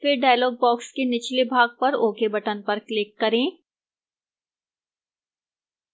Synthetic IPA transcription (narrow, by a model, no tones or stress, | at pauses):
fɪɾɖaːjlɔːɡ̚bɔːkskenɪt͡ʃlebʱaːɡ̚pɐɾoːkebɐʈənpɐɾklɪkːɐɾẽː